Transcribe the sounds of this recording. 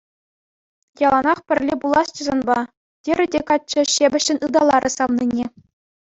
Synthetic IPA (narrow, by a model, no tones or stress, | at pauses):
jɑlˠɑnɑχpʲɘ̆rʲlʲebulˠɑst͡ɕɤ̆zɑnbɑ | tʲeɾʲɘ̆dʲekɑt͡ɕːɘ̆ɕebʲɘ̆ɕːɘ̆nʲɯd̪ɑlˠɑɾʲʔɤ̆sɑʋninʲe